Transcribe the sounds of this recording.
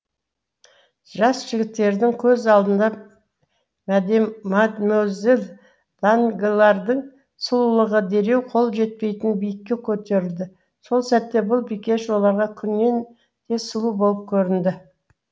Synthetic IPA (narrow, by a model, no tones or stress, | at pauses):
ʒɑsʒ̥ɪɡʲɪt̪ːe̞ɾd̪ɪŋkʲʰɵzɑlˠd̪ənd̪ɑ | mæd̪e̞mːɑt̪mæzel | d̪̥aŋɡʲelˠɑɾd̪əɴ | səlˠulˠəʁəd̪e̞ɾe̞wqʰo̞lˠʒe̞t̪̚pe̞jt̪ɪnbijɪkʲːe̞kʲʰɵt̪e̞ɾɪld̪ɪ | so̞lˠsæt̪ːe̞bʊlˠbijkʲe̞ʃwo̞lˠɑɾʁɑkʲʰʏnme̞n | t̪ʰe̞səlˠubo̞lˠəp̚kʲʰɵɾɪnd̪ɪ